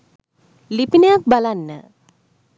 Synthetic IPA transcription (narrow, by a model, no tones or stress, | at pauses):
lipinejak̚balanːə̰